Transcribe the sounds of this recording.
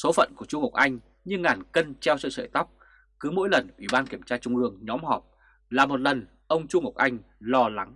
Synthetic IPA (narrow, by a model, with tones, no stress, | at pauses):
so˨˦fə̰˧˨nku˧˩ət͡ɕʊ˧ŋ͡mŋə˨˩wk͡p̚ʔa˧jŋ̟ | ɲɨ˧ŋaː˨˩nkə˧nt͡ɕɛ˧wssə̰ː˧˨jt̪a˦˥wk͡p̚ | kɨ˨˦mo̰˧˥jlə˨˩nʔwḭ˧˩ɓaː˧nki˧˩əmt͡ɕaː˧t͡ɕʊ˧ŋ͡mʔɨ˧əŋɲɔ˨˦mɦɔ˨˩p̚ | laː˨˩mo˨˩t̚lə˨˩n | ʔə˧wŋ͡mt͡ɕu˧ŋə˨˩wk͡p̚ʔa˧jŋ̟ | lɔ˧la˨˦ŋ